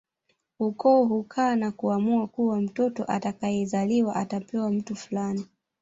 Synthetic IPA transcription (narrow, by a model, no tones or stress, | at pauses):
ukɔːɦukʰaːnakuamuakuwam̩tɔtɔʔatakajɛzaliwaʔatapɛwam̩tufulani